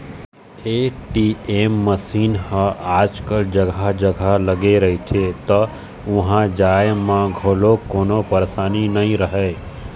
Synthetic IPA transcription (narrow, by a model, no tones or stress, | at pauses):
eːʈiːeːmːəsiːnhəaːd͡ʒkəld͡ʒɐɡʱad͡ʒəɡʱalɐɡeɾɐɦit͡ʃʰet̪ɔ | ʋʊɦãd͡ʒaːjmãɡʱoːlokoːnopɐɾsaːninɐĩɾəɦeː